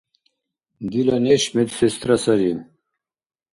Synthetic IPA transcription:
ɡ̪ilɐneɕmit̪sest̪ɾɐsɐɾim

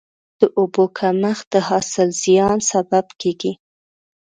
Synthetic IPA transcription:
d̪̥əʔobokʰaməxd̪̥əhɑsɪlz̥ijɑnsababkeɡi

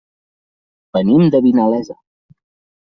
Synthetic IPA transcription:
b̥ənimd̪əβinalɛzə̰

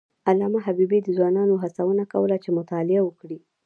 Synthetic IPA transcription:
alɑmaɦabibid̪əzwɑnɑnoɦat͡sawənakawəlat͡ʃemʊt̪ɑlɪawəkɽi

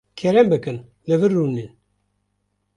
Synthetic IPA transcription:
kʰɛɾæmbəkən | ləvərːunin

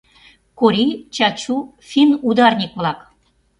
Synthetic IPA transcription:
koɾʲijt͡ɕɑt͡ɕu | fʲinud̪ɑrnʲikβlɑk

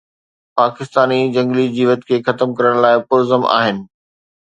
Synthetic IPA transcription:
paːkɪst̪aːnid͡ʑɐ̃ŋɡlid͡ʑiːʋət̪kʰeːxɐt̪əmkɐɾəɽ̃laːɪpʊɾzəma̰ːɦɪnɪ̆

